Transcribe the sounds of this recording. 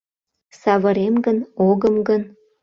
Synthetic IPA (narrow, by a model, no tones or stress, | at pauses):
sɑβəɾemɡənoɣəmɡən